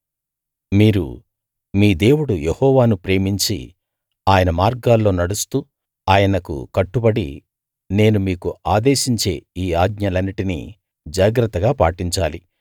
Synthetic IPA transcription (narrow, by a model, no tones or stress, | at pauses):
miːɾṵ | miːd̪e̞ːwuɽujehɔːʋaːnupɾe̞ːmiɲt͡ʃḭ | aːjɐnɐmaːɾɡaːlːo̞ːnɐɽust̪uː | aːjɐnɐkṵkɐʈːubɐɽḭ | ne̞ːnumiːkuaːd̪eːʃiɲt͡ʃe̞ːiːaːd̪ɲɐlɐnːiʈinḭ | d͡ʒaːɡɾɐt̪ːɐɡaːpaːʈiɲt͡ʃaːli